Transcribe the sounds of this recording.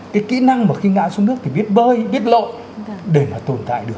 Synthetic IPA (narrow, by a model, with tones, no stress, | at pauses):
kaː˨˦jkḭ˧˥na˧ŋmaː˨˩xi˧ŋa̰ː˧˨sɔ˧nɨ˦˥ək̚t̪ʰi˨˩ɓi˦˥t̚ɓəː˧jɓi˦˥ət̚lo̰˧˨j | ɗe˨˩maː˨˩t̪o˨˩nt̪a̰ː˧˨jɗɨ˨˩ək̚